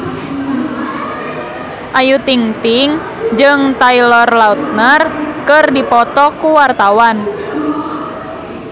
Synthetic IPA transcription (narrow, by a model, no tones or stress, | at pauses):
ʔajut̪iŋt̪iŋ | d͡ʒɨŋt̪ailɔrlaut̪̚nərkərdipɔt̪ɔkuwart̪awan